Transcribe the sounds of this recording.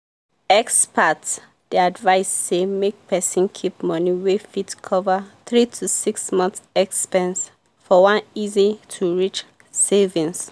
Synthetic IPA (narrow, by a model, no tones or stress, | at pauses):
ɛkspʰat | d̥iadvaɪsːemek̚pʰɛsɔ̃nkʰipmɔniwefitkʰɔvəθɹitʰusiksmɔ̃nθsɛkspɛ̃ns | fɔwãnizitʰuɹit͡ʃ | sevĩns